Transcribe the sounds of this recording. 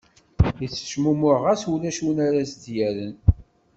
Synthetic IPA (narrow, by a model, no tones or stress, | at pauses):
jət͡sːə̥ʃmumʊʁæsulæʃunaɾæsd̪jæɾən